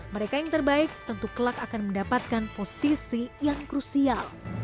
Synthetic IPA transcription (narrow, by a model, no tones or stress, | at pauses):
məɾekajaŋt̪ərbaɪk̚t̪ənt̪ukəlakakanməndapat̪̚kanposisijaŋkɾusial